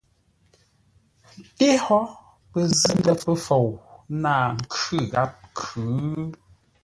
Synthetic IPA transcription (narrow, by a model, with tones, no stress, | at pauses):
n̩˨te˦hɔ˦ | pə˨zɨ˦mbɛ˦pə˦fo˨wnaː˦˨ŋ̩˨kʉ˦˨ɣa˦p̚kʰʉ˨˦